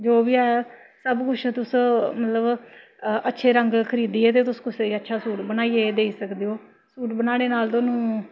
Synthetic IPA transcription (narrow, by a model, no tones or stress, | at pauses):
d͡ʒoːbiːɛː | səbkʊt͡ʃʰt̪ʊsmət̪ləb | ətːʃʰeːɾəŋɡkʰəɾiːd̪iːɛːt̪̬eːt̪ʊskʊseːiːətːʃʰaːsuːʈbənaːiːeːd̪eːiːsəkd̪eːoː | suːʈbənaːɽeːnaːlt̪oːnũː